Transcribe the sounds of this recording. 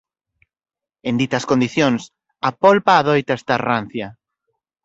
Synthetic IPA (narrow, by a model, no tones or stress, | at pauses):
ẽnd̪it̪ɐskond̪iθjoŋs | ɐpolpaːðojt̪aest̪aran̟θja